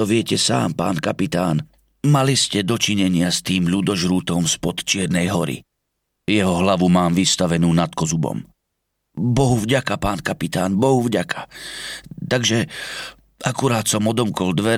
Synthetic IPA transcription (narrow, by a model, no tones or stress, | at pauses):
ɔʋɪɛcɛsa̰ːmpa̰ːnkapit̪aːn | maliscɛd̪ɔt͡ʃiɲɛɲɪast̪iːmʎud̪ɔʒɾuːt̪ɔmspɔt̪t͡ʃɪɛɾnɛjɦɔɾḭ | jɛɦɔɦlaʋumaːmʋist̪aʋɛnuːnat̪kɔzubɔ̰m | bɔɦuvɟakapaːnkapit̪aːnbɔɦuvɟakʰḁ | t̪aɡʒɛ | ʔakuɾaːt̪sɔmɔd̪ɔmkɔld̪ʋɛ